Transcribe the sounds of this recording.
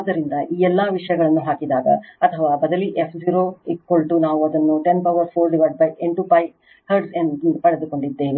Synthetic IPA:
ad̪ːɐɾind̪ɐʔiːɛlːɐʋiʂɐjɐɡɐɭɐnːuɦaːkid̪aːɡɐ̰ɐt̪ʰɐʋaːbɐd̪ɐliʔepʰd͡ʒiːɾoːikkːoɭʈunaːʋuɐd̪ɐnːuʈenpɐwʋɐɾpʰoːɾɖiʋɐɾɖ̚bɐjeɳʈupɐj | hɐɾɖsenpɐɽed̪uko̞ɳɖid̪ːeːʋi

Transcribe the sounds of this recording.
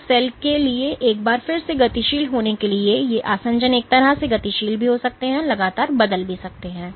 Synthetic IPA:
sɛːlkelieʔeːk̚baːɾfɪɾseɡɐt̪iʃiːlɦoːnekeliejeʔaːsə̃ɲd͡ʒəneːk̚t̪ɐɾaseɡɐt̪iʃiːlbʱiɦosɐk̚t̪eɦɛ̃ːlɐɡaːt̪aːɾbɐd̪əlbʱisɐk̚t̪eɦɛ̃ː

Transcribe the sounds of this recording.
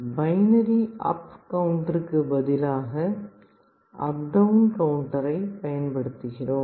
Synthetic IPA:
bɐɪnɐɾiʔɐ̰pkɐʋʊɳʈɐɾɯkːɯbɐðɪlaːɣɐ | ɐ̰p̚ɖɐʋnkɐʋʊɳʈɐɾɐɪpɐjɐnpɐɽɯt̪ːɯɣɪroːm

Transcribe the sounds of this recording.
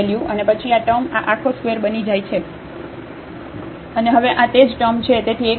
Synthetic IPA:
eljũʔənepət͡ʃʰiaʈəmaʔakʰoskʋeɾbənid͡ʒajt͡ʃʰe | əneɦəʋeʔãt̪ed͡ʒʈəmt͡ʃʰet̪et̪ʰie

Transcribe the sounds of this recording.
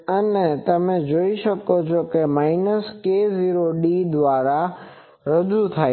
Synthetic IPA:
ɐnət̪ɐmẽd͡ʑoːiʃɐkod͡ʑoːkemaːɪnəskeːziːɾoɗiːd̪ʋaːɾa | ɾɐd͡ʒut̪ʰaːe

